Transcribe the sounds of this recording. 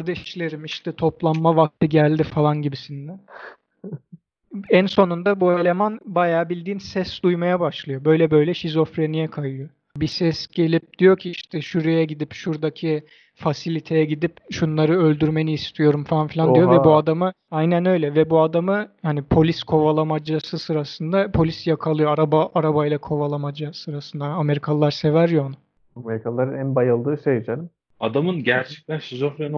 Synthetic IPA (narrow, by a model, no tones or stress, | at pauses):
aɾd̪ɛʃlʲe̞ɾimiʃt̪ʰɛt̪ʰo̞plˠanːavak̚t̪ʰɯɟælʲd̪ifalˠanɟibisind̪ɛ | ænso̞nund̪abuelʲe̞manbajaːbilʲd̪iːnsɛsd̪ujmajabaʃlˠɯjo̞bø̞jlʲɛbø̞jlʲɛʃizo̞fɾe̞nijɛkʰajɯjo | bisɛsɟe̞lʲip̚d̪̥ijo̞cʰiiʃt̪ʰɛʃuɾejɛɟid̪ipʃuɾd̪acʰi | fasilʲit̪ʰe̞jɛɟid̪ipʃunlˠaɾɯø̞lʲd̪yɾme̞niːst̪ʰijo̞ɾumfanfilʲandijo̞vɛbuad̪amɯ | ajnænø̞jlʲɛvɛbuad̪amɯhanipʰo̞lʲiskʰo̞valˠamad͡ʒasɯsɯɾasɯnd̪apʰo̞lʲisjakʰalˠɯjo̞aɾabaʔaɾabajlˠakʰo̞valˠamad͡ʒasɯɾasɯnd̪aːme̞ɾikʰalˠlːˠaɾse̞væɾjona | ameɾikʰalˠlˠaɾɯnænbajɯlˠd̪ɯːʃejid͡ʒalʲim | ad̪amɯnɟæɾt͡ʃʰɛ̥k̚t̪ʰænʃizoflʲan